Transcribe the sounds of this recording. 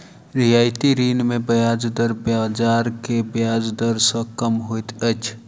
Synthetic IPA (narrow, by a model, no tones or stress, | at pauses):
ɾijaːjt̪iɾiːnmẽbəjaːd͡ʒd̪əɾbjad͡ʒaːɾkebjaːd͡ʒd̪əɾsə̃kəmɦojt̪ət͡ʃʰ